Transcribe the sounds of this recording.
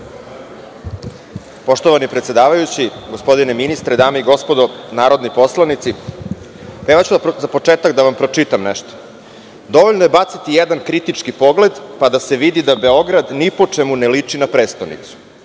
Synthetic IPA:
po̞ʃt̪oʋanipɾet̪sje̞d̪aːʋajut͡ɕiɡospo̞d̪ineminist̪ɾed̪aːmeiɡo̞spod̪onaːɾo̞d̪nipo̞slˠanit̪si | peʋat͡ɕud̪zapo̞t͡ʂeːt̪akd̪aʋampɾo̞t͡ʂit̪amnɛʃt̪o̥ | d̪o̞ʋoʎnoje̞bat̪sit̪ijed̪ankɾit̪it͡ʂkipo̞ɡle̞d̪pad̪ase̞ʋid̪id̪abe̞o̞ɡɾad̪nipo̞t͡ʂemunelit͡ʂinapɾeːst̪onḭt̪su̥

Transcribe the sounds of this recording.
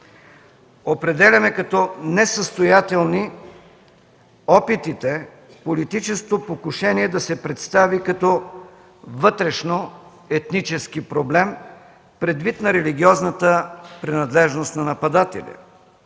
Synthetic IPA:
opɾɛd̪ɛlʲɐmɛkɐt̪ɔnɛsəst̪ojat̪ɛlˠni | ɔpit̪it̪ɛ | polit̪it͡ʃɛst̪opokʊʃɛniɛd̪ɐsɛpɾɛt̪st̪avikɐt̪ɔ | vɤt̪ɾɛʃno | ɛt̪nit͡ʃɛskipɾoblɛm | pɾɛd̪vit̪nɐɾɛliɡ̟iɔznət̪əpɾɛnɐd̪lɛʒnost̪nɐnɐpɐd̪at̪ɛ̰lʲḭ

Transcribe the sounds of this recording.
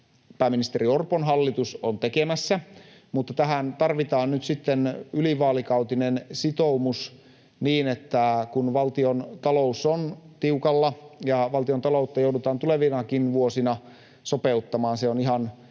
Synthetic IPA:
pæːmːinist̪eɾiorponɦɑlːit̪usont̪ekemæsːæ | mut̪ːɑt̪æɦænt̪ɑrʋit̪ɑːnnyt̪sit̪ːenyliʋɑːlikɑwt̪inensit̪oumus | niːnet̪ːækunʋɑlt̪iont̪ɑlousːont̪iukɑlːɑjɑʋɑlt̪iont̪ɑlout̪ːɑjowdut̪ɑːnt̪uleʋinɑkinʋuosinɑ | sopeut̪ːɑmɑːnseoniɦɑn

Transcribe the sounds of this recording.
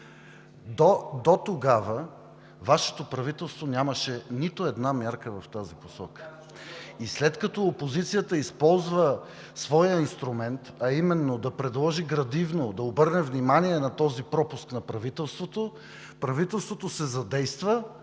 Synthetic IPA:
d̪od̪ot̪oɡavə | vaʃɛ̥t̪opɾɐvit̪ɛlˠst̪vonʲjaməʃɛnit̪oɛd̪namjaɾkəvɐft̪aziposɔkə̥ | islɛt̪kɐt̪ɔopozit̪sijət̪əispɔlˠzvə | svɔjəinst̪ɾumɛnt̪ɐimɛnːod̪ɐpɾɛd̪lˠɔʒiɡɾɐd̪ivnod̪ɐobɤɾnɛvnimaniɛnɐt̪ɔzipɾɔpʊsknɐpɾɐvit̪ɛlˠst̪vot̪o | pɾɐvit̪ɛlˠst̪vot̪osɛzɐd̪ɛjst̪və

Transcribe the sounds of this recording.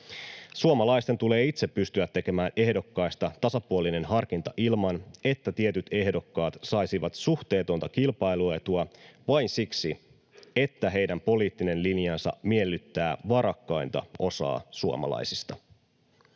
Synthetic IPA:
suomɑlɑjst̪et̪ule̞ːit̪sepːyst̪yæt̪ːe̞ke̞mæːnʔe̞hdo̞kːɑjst̪ɑt̪ɑsɑpuoline̞nɦɑrk̟int̪ɑʔilmɑne̞t̪ːæt̪ie̞t̪yt̪e̞hdo̞kːɑːt̪sɑjsiʋɑt̪suxt̪e̞ːt̪o̞nt̪ɑkilpɑjluet̪uɑʋɑjnsiksi | e̞t̪ːæɦe̞jdæmpo̞liːt̪ːine̞nlinjɑnsɑ̰mielːyt̪ːæːʋɑɾɑkːɑjnt̪ɑ̰ʔo̞sɑ̰ːsuo̰mɑ̰lɑ̰jsist̪ɑ

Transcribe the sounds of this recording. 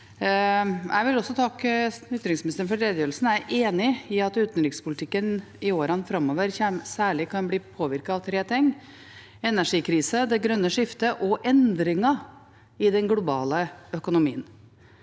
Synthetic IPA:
æ̰ɪʋɪlɔsːɔt̪ʰɑk̪ʏt̪ːɾɪŋsmɪnɪst̪əɾənfɔɖɾeːd̪jøːɾlsn̩æɾeːnɪɪɑt̪ʉːt̪nɾɪkspʊlɪt̪ʰɪkːən | ɪoːɾɑnfɾɑmoːʋəɾçsæːɭɪkʰɑnbliːpʰoːʋɪɾkɑɑʋt̪ʰɾeːt̪ʰɪŋː | ɛnæʂiːkʰɾiːsəd̪ɛɡɾœnːəʂɪft̪əʔɔʔɛnd̪ɾɪŋɑ | ɪd̪ɛnɡlʊbɑ̰ːləœkʊnʊmḭːən

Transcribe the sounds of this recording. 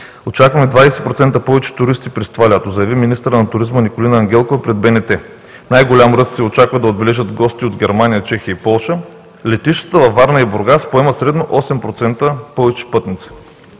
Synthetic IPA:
ot͡ʃakvɐmɛd̪vasɛ̥pɾot̪sɛnt̪əpɔvɛt͡ʃɛ̥t̪ʊɾist̪ipɾist̪valʲat̪ozəjɐviminist̪əɾənɐt̪ʊɾizmənikolinəːŋɡʲɛlˠkovɐpɾɛd̪̚bɛnɛt̪ɛ | najɡolʲamɾɤssɛot͡ʃakvɐd̪ɐod̪̚bɛlɛʒəd̪ɡɔst̪iod̪ɡʲɛɾmanijət͡ʃɛxijəipɔlˠʃə | lɛt̪iʃt̪ə̥t̪əvɐfvːaɾnəiboɾɡaspoɛməsɾɛd̪noʔɔsɛmpɾot̪sɛnt̪əpɔvɛt͡ʃɛ̥pɤt̪nit̪sɛ̥

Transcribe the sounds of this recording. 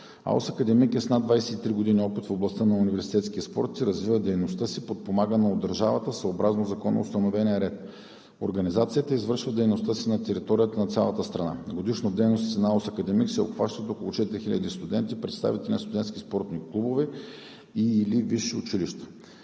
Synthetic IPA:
a̰lo̰sɐkɐd̪ɛmikɛsnad̪vajsɛt̪it̪ɾiɡod̪inʲiɔpit̪foblˠɐst̪ənɐʊnivɛɾsit̪ɛt̪sk̟iəspɔ̰ɾt̪siɾɐzvivəd̪ɛjnost̪əsipot̪̚pomaɡənɛod̪ːɐɾʒavət̪əsəobɾaznozɐkɔnɐ̰ost̪ɐnovɛnʲiəɾɛt̪̚ | o̰ɾɡɐnizat̪siət̪əizvəɾʃvəd̪ɛjnost̪əsinɐt̪ɛɾit̪ɔɾijət̪ənɐt̪sʲja̰lˠət̪əst̪ɾɐna̰ɡod̪iʃnod̪ɛjnost̪sinɐalosɐkɐd̪ɛmiksɛo̰pxvaʃt̪ət̪okolˠʊt͡ʃɛt̪iɾʲixilʲɐd̪ist̪ʊd̪ɛnt̪ipɾɛt̪st̪a̰vit̪ɛlʲinɐst̪ʊd̪ɛnt̪kʲispɔɾt̪niklˠubovɛ | iːliviʃiʊt͡ʃiliʃt̪ə̥

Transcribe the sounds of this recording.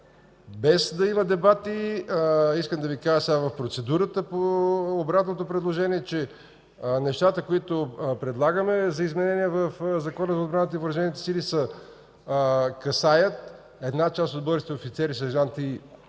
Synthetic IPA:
bɛzd̪ɐiməd̪ɛbat̪i | iskəmd̪ɐvikaʒəsɛavɐfpɾot̪sɛd̪uɾət̪əpoːbɾat̪not̪opɾɛd̪lˠoʒɛniɛt͡ʃɛ | nɛʃt̪at̪əkoit̪opɾɛd̪lˠaɡəmɛzɐizmɛnɛniɛvəfzɐkɔnəzɐod̪bɾanət̪əiopɾɐʒɛnit̪ɛ̥silisə | kɐsajət̪ | ɛd̪nat͡ʃast̪ot̪̚bɔɾʲt͡ʃ̪it̪ɛofit̪sɛɾisɐʒant̪i

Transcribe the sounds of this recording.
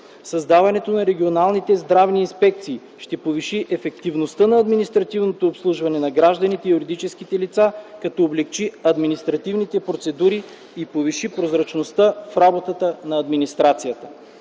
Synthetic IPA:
sɐzd̪avɐnɛt̪onɐɾɛɡʲionalˠnit̪ɛzd̪ɾavniːnspɛk̚t̪siː | ʃt̪ɛpoviʃiʔɛfɛkt̪ivnost̪ənɐɐd̪minist̪ɾɐt̪ivnot̪oːpslˠuʒvɐnɛnɐɡɾaʒd̪ɐnit̪ɛijuɾid̪it͡ʃɛskit̪ɛlit̪sakɐt̪ɔːblɛk̚t͡ʃiɐd̪minist̪ɾɐt̪ivnit̪ɛpɾot̪sɛd̪uɾi | ipoviʃipɾozɾɐt͡ʃnost̪əfɾabot̪ət̪ənɐɐd̪minist̪ɾat̪sijət̪ə̥

